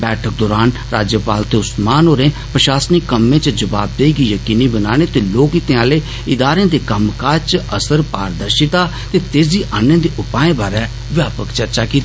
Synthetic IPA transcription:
bɛːʈʰək̚d̪oːɾaːnɾaːd͡ʒjəpaːlt̪eːʊsmaːnɦoːɾẽː | pɾəʃaːsnikːəmẽːt͡ʃəd͡ʒəʋaːb̚d̪eiːɡiːjəkiːniːbənaːñeːt̪eːloːkiːt̪ẽːaːleː | ɪd̪aːɾẽːd̪eːkəmkat͡ʃəsəɾpa̰ːɾd̪əɾʃɪt̪aː | t̪eːt̪eːsd̪iːʔanːẽːd̪eːʔʊpaːẽːbaːɾɛː | ʋjaːpəkt͡ʃəɾt͡ʃaːkiːt̪ː

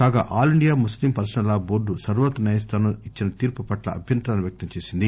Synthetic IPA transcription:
kaːɡa̰ːʔaːliɳɖijaːmuslimpɐɾsɐnɐlaːboːɖusɐɾʋɐt̪ːɐnɐːjɐst̪aːnoit͡ʃːinɐt̪iːɾpupɐʈlɐ̰ʔɐbʱjɐnt̪ɾaːnuʋjɐk̚t̪ɐmt͡ʃe̞ːsind̪i

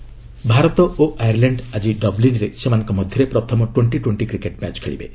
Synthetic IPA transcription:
bʱaɾɔt̪ɔoʔajaɾlaɳɖad͡ʒiɖɔblinɾesemanɔŋkɔmɔd̪ʱjɔɾepɾɔt̪ʰɔmɔʈweɳʈiʈweɳʈikɾikeʈmat͡ʃkʰeɭḭbḛ

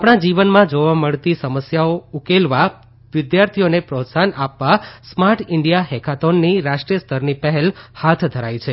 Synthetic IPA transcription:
apɳ̃ad͡ʒiʋənmãd͡ʒoʋaməɭt̪isəməsjaoukelʋa | ʋɪd̪jaɾt̪ʰijonepɾot̪sanapʋasmaɾʈʰɪɳɖijaɦekʰat̪onːiɾaʃʈɾijəst̪ʰəɾnipəɦɛlhat̪ʰd̪ʱəɾajt͡ʃʰe

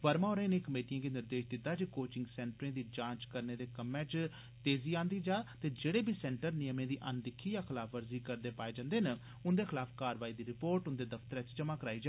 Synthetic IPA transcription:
ʋəɾmaːɦoːɾəẽːneːkəmeːʈijãːɡeːnɪɾd̪eːʃd̪ɪt̪ːaːd͡ʒikoːt͡ʃɪŋɡsɛ̃ːɳʈɾẽːd̪iːd͡ʒãːt͡ʃkəɾneːd̪eːkəmːɛ̃ːt͡ʃ | t̪eːziːãːnd̪iːd͡ʒaːt̪eːd͡ʒeːɽeːbʱiːsɛ̃ːɳʈəɾnɪjəmẽːd̪iːʔənd̪ɪkʰːiːjaːkʰɪlaːpʰʋəɾziːkəɾd̪eːpaːeːd͡ʒãːnd̪eːnə | ʊnd̪eːkʰɪlaːpʰkaːɾʋaːiːd̪iːɾɪpoːɾʈʊnd̪eːd̪əpt̪əɾẽːt͡ʃt͡ʃəmãːkəɾaːiːd͡ʒaː

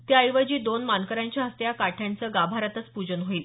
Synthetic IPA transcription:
t̪jajʋəd͡ʑiːd̪onmankəɾjaɲt͡ɕjaɦəst̪jakaʈʰjant͡səːɡabʱaɾat̪ət͡spud͡ʑənɦoiːl

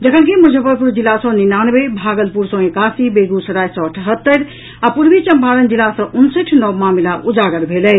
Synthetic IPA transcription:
d͡ʒəkʰənkimud͡ʒʱəpəɾpuɾd͡ʒilːasə̃ninanbebʱaːɡəlpuɾsɔ̃ekaːsibeɡusəɾaːjsɔ̃əʈʰɦət̪ːəɾ | apuɾbit͡ʃəmbʱaːɾənd͡ʒilːasə̃ʔunsəʈʰnɔbmaːmilaʔud͡ʒaɡəɾbʱelɛ

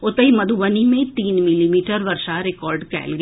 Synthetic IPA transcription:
ʊt̪əɦimɐd̪ʱuʋənimẽt̪iːnmɪlimiːʈəɾʋɐɾʃaɾɪkɔːɾɖkɛ̰ːlɡ

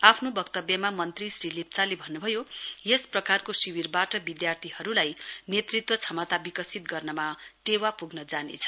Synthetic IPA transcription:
apʰnobʌkt̪ʌbjʌmamʌnt̪risrilip̚t͡salebʱʌnːubʱʌjojesprʌkarkosiwirbaʈʌbid̪jart̪ʰiɦʌɾulajnet̪rit̪wʌt͡sʰʌmʌt̪abikʌsit̪ɡʌrnʌmaʈewapuɡnʌd͡zanḛt͡sʰʌ̥

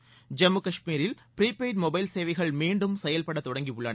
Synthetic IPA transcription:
d͡ʒɐmːɯkɐʂmiːɾɪl | pɾiːpeːʈmɔbɐɪlseːʋɪɣɐɭmiːɳɖɯmsɛjɐlpɐɽɐt̪ːɔɽɐŋɡiɯɭːɐnɐ

